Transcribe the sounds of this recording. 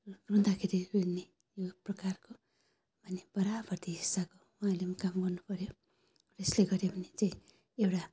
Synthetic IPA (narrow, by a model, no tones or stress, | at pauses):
ɡuũnd̪akʰeɾirune | joprʌkarko | bʱʌneb̥ʌɾabʌrt̪iɦisako | waːlemakamɡʌrnupʌɾjo | resleɡʌɾjebʱʌnet͡saĩ | ewʈa